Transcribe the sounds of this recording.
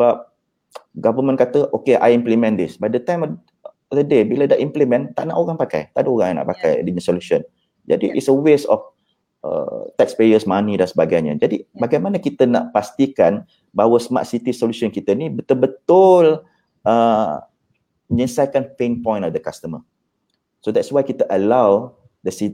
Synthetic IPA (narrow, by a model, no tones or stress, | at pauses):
səbap̚ | ɡavəmə̃nkat̪əʔokeʔa̰jimplimɛ̃nd̪isbajdət̪ãjm | d̪ədebiladaʔimplimɛ̃nt̪aʔnaʔoɣaŋpaka̰jt̪aduoɣãŋjana̰ʔpakaj̰diɲə̃soluʃən | d͡ʒa̰diʔḭtsəwesɔ̰f | ʔə̰t̪ɛkspejəsmanidansəbaɡajɲə̰d͡ʒadibaɡajmanəkit̪əna̰ʔpast̪ikan | baɦwəsəma̰ʔsit̪isolusɔnkit̪ənibət̪ʊlbət̪ʊl | ʔə | ɲĩsajkanpenpɔ̃jnɔfd̪əkast̪əmə | sodɛtswajkit̪əʔəlaw | dəsi